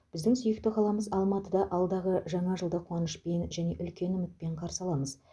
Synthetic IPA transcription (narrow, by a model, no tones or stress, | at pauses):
b̥ɪzd̪ɪŋsʏjɪk̚t̪ɪqʰɑlˠɑməzɑlˠmɑt̪əd̪ɑʔɑlˠd̪ɑʁəʒɑɴɑʒəlˠd̪ɑqʰwɑnəʃpe̞nʒæne̞ʔʏlkʲe̞nʏmɪt̪̚pe̞ɴqʰɑɾsɑlˠɑməz